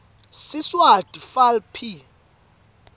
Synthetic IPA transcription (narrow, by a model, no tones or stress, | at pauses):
siswad̥ʼifalpʰi